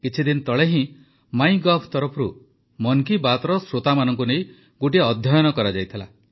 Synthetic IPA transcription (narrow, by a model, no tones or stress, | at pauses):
kit͡ʃʰid̪int̪ɔɭeɦĩ | maj̃ɡɔpʰt̪ɔɾɔpʰɾu | mɔŋkibat̪ɾɔsɾot̪amanɔŋk̬unej | ɡoʈ̬iɔd̪ʱjɔjɔnɔkɔɾad͡ʒajt̪ʰila̰